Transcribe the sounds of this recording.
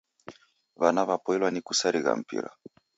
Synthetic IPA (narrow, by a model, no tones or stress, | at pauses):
βanaβapɔilwanikusaɾiɣa̰m̩pḭɾa̰